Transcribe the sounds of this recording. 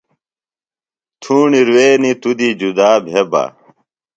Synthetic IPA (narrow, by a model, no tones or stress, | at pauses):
t̪ʰuːɳiɾweːnit̪ud̪id͡ʑud̪aːbʱeba̰